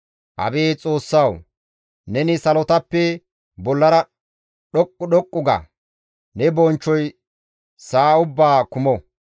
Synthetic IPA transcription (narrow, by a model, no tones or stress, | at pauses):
ʔɐ̰beːt͡sʼo̞ːsːɐw | nɛnɪsɐlɔt̪ɐpːɛ | bɔlːɐɾɐ | ɗɔkʼːʊɗɔkʼːʊɡɐ̰ | nɛbɔnt͡ʃːɔj | saːʊbːaːkʊmɔ